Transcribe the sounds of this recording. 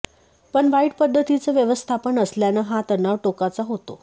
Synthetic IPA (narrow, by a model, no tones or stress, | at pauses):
pəɳʋaiʈpəd̪ʱːət̪it͡səʋjəʋəst̪ʰapənəsljanəɦat̪əɾnaʋʈokat͡saɦot̪o